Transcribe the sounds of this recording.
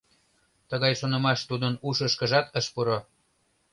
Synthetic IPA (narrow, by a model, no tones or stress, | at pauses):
t̪əɣɑjʃonə̆mɑʃt̪ud̪ənuʃəʃkə̆ʒɑt̪əʃpuɾo